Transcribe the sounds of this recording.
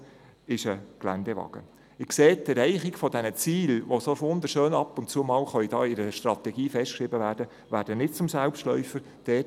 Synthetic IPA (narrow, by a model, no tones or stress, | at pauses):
ɪʃəɡ̥læ̰ndɛʋɑ̰ɡ̥ə̰ | ɪkseːt̪əɾɛɪχikfɔdɛnət͡siːlʋosoʋʊnd̪əɾʃøːnɑpʊntt͡suəmɑːlχœidɑːɪɾəʃtrɑt̪ɛɡiːfɛʃtkʃɾɪbəʋæːɾd̥ə | ʋæːɾdənɪtt͡sʊmsælpʃtlœ̰ʏfəɾ | d̥ɛːt